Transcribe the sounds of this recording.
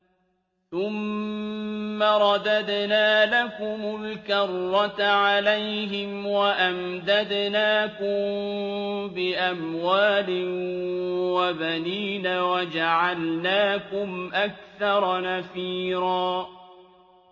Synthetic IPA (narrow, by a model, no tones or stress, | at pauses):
θʊm | aɾˤɑd̪ad̪naːlakʊmʊlkɑrˤːɑt̪ʕalajɦɪmwaʔamd̪ad̪naːkʊm | bɪʔamwaːlɪ | wabaniːnawad͡ʒaʕalnaːkʊmʔak̚θɑɾˤnafiːɾɑː